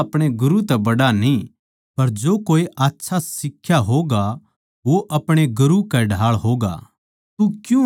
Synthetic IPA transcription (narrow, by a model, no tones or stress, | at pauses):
ɐpɽ̃eɡʊɾut̪ɛbɐɽanĩ | pɐɾd͡ʒoːkoːiʔaːtːʃʰasɪkʰːjaɦoːɡa | ʋoʔɐpɽ̃eɡʊɾukɛɖʱaːɭɦoːɡa̰ː | t̪ukjũ